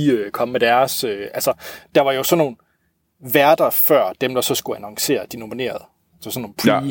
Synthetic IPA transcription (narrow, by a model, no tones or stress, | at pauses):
iøkʰɒ̽məmed̥æɐsøʔælsɐd̥ɑ̈ʋɑ̈jo̝sɒ̽nːo̝ːn̩ | ʋæɐd̥ɐfɶɐ̰d̥emd̥ɑ̈sɒ̽sɡ̥uænɒ̽ŋse̝̰ːɐd̥ino̝mine̝̰ːɐð̩ˠ | sɒsɒnːoːpʰ